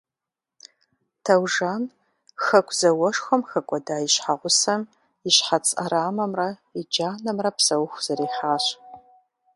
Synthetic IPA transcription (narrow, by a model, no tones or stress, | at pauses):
tʰɐwʒaːn | xɐkʷʰz̥ɐwɔʂxʷɔmxɐkʷʼɔdaːjiɕħaʁʷʊsɐm | iɕħat͡sʼɐ̰ɾaːmɐmrɐid͡ʒaːnɐmrɐpʰsɐwʊxʷz̥ɐɾiːħaːɕ